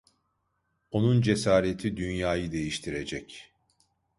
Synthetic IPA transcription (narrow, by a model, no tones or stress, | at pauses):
o̞nund͡ʒe̞saːɾet̪ʰid̪ynjaːjɯd̪e̞jiʃt̪ʰiɾe̞d͡ʒɛc